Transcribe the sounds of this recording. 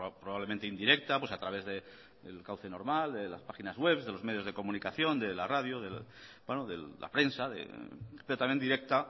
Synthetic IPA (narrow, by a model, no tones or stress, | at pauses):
pɾoβaβlement̪eind̪iɾe̞k̚t̪apwe̞sat̪ɾaβ̞e̞zðe̞ | ḛlkawθe̞no̞ɾmald̪e̞laspaxinazɣwe̞βzðe̞lo̞zme̞ð̞jo̞zð̞e̞ko̞mũnikaθjo̞nd̪e̞laraðjoðe | bwenoðelːa̰pɾe̞nsaðḛpeɾot̪amjend̪iɾe̞k̚t̪a